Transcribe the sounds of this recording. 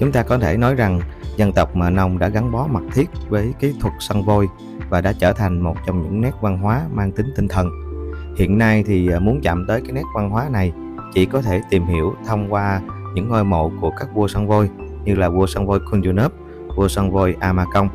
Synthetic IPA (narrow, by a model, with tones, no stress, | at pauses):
t͡ɕʊ˨˦ŋ͡mt̪aː˧kɔ˨˦t̪ʰe˧˩nɔ˨˦jza˨˩ŋzə˧nt̪ə˨˩wk͡p̚maː˨˩nə˧wŋ͡mɗa̰ː˧˥ɣa˨˦ŋɓɔ˨˦ma˨˩t̚t̪ʰi˦˥ət̚vəː˨˦jki˨˦t̪ʰwə˨˩k̚sa˧ŋvo˧j | vaː˨˩ɗa̰ː˧˥t͡ɕəː˧˩t̪ʰa˨˩jŋ̟mo˨˩t̚t͡ɕɔ˧wŋ͡mɲɨ̰˧˥ŋnɛ˦˥k̚va˧nɦwaː˨˦maː˧ŋt̪ï˨˦ŋt̪ï˧ŋt̪ʰə˨˩nhḭ˧˨ənːa˧jt̪ʰi˨˩mu˨˦ənt͡ɕa̰ː˧˨mt̪əː˨˦jkaː˨˦jnɛ˦˥k̚va˧nɦwaː˨˦na˨˩j | t͡ɕḭ˧˩kɔ˨˦t̪ʰe˧˩t̪i˨˩mhi˧˩əwt̪ʰə˧wŋ͡mkwaː˧ɲɨ̰˧˥ŋːoː˧jmo̰˧˨ku˧˩əkaː˦˥k̚vu˧əsa˧ŋvo˧jɲɨ˧laː˨˩vu˧əswa˧ŋvo˧jkʰu˧nzu˧nə˦˥p̚ | vu˧əswa˧ŋvo˧jʔaː˧maː˧kə˧wŋ͡m